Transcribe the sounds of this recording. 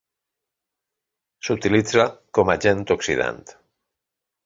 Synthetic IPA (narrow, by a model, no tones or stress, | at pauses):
sut̪ilid͡zakomaʒent̪oksiða̰nt̪